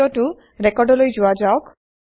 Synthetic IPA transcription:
ɔʈu | ɾekɔɾɖɔlojd͡ʒuad͡ʒaok

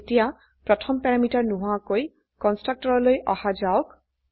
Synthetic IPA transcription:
etija | pɹɔtʰɔmpɛɹamitaɹnuɦʊakoj | kɔnstɹak̚tɔɹɔlojʔɔ̰had͡ʒaʊk

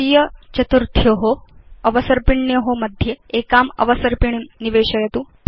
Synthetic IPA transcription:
ijɐt͡ʃɐt̪uɾt̪ʰjɐɦoɐʋɐsɐɾpiɳːjɐɦomɐd̪ʱjeekaːmɐ̰ʋɐsɐɾpiɳ̃niʋeːɕɐjɐt̪uː

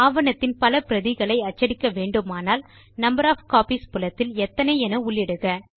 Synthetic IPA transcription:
aːʋɐnɐt̪ːɪnpɐlɐpɪɾɐðɪɣɐɭɐɪɐt͡ʃːɐɽɪkːɐʋeːɳɖɯmaːnaːl | nɐmbɐɾaːfkaːpiːspʊlɐt̪ːɪlɛt̪ːɐnɐɪɛnɐʊɭjɪɽɯɣɐ

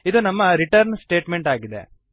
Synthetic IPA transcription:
id̪unɐmːɐɾiʈɐɾnsʈe̞ːʈme̞ɳʈaːɡid̪ḛ

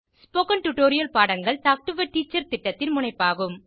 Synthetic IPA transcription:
spoːkɐnʈʊʈoːɾɪjɐlpaːɽɐŋɡɐɭtaːk̚ʈɯʋɐʈiːt͡ʃːɐɾt̪ɪʈːɐt̪ːɪnmʊɳɐɪpːaːɣɯm

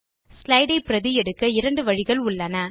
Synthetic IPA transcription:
slɐɪɽɐɪpːɪɾɐðɪjɛɽɯkːɐɪɾɐɳɖɯʋɐɻɪɣɐɭʊɭːɐnɐ

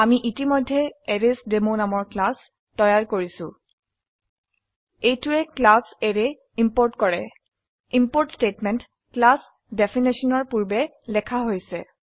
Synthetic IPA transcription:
amiʔitimɔjdʱːɛɛɹesdemonamɔɹklas | tɔjaɹkoɹisʊ̰̃ | ejtʊɛklasɛɹɛ | impoɹtkɔɹɛ | impoɹtstetmɛnt | klas | defʰinisɔnɔɹpuɹbɛ | lɛkʰaɦojsɛ

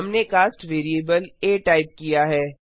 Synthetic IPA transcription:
ɐmnekaːsʈʋeːɾieːbəleːʈaːɪp̚kijaɦɛː

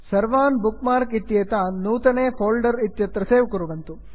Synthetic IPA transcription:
sɐɾʋaːnbukmaːɾkit̪jeːt̪anuːt̪ɐneːpʰoːlɖɐɾit̪jɐt̪ɾɐseːʋkuɾuʋɐnt̪u

